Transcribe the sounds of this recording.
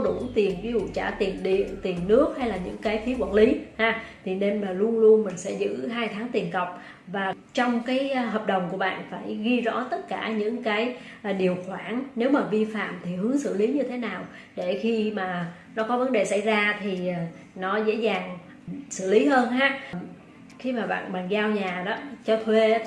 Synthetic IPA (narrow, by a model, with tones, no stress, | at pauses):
ɗu˧˩t̪i˨˩ənvi˨˦zṵ˧˨t͡ɕaː˧˩t̪i˨˩ənɗḭ˧˨ənt̪i˨˩ənːɨ˦˥ək̚ha˧jlaː˨˩ɲɨ̰˧˥ŋkaː˨˦jfi˨˦əkwaː˧˩nli˨˦haː˧t̪ʰi˨˩ne˧nmaː˨˩lu˧ənlu˧ənmï˨˩ŋ̟sɛ̰˧˥zɨ̰˧˥ɦaː˧jt̪ʰaː˨˦ŋt̪i˨˩ənkə˨˩wk͡p̚ | vaː˨˩ | t͡ɕɔ˧wŋ͡mkaː˨˦jɦəː˨˩p̚ɗə˨˩wŋ͡mku˧˩əɓa̰ː˧˨nfaː˧˩jɣi˧zɔ̰˧˥t̪ə˦˥t̚kaː˧˩ɲɨ̰˧˥ŋkaː˨˦j | ɗi˨˩əwxwaː˧˩nːne˨˦wmaː˨˩vi˧fa̰ː˧˨mt̪ʰi˨˩hɨ˨˦əŋsɨ̰˧˩li˨˦ɲɨ˧t̪ʰe˨˦naː˨˩w | ɗe˧˩xi˧maː˨˩ | nɔ˨˦kɔ˨˦və˨˦nɗe˨˩sa˧˩jzaː˧t̪ʰi˨˩˨ | nɔ˨˦zḛ˧˥zaː˨˩ŋ | sɨ̰˧˩li˨˦ɦəː˧nhaː˨˥ | xi˧maː˨˩ɓa̰ː˧˨nɓa̰ː˧˨nzaː˧wɲaː˨˩ɗɔ˨˦t͡ɕɔ˧t̪ʰwe˧